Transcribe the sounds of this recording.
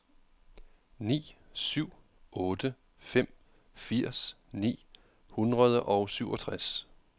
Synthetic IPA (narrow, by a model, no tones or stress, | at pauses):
nḭː | syʊ̰ | ʔɔ̽ːd̥ə | fem̰ | fiɐ̰snḭː | hunʁɐð̞ˠəʔɒʊsyʊɒt͡sʰʁas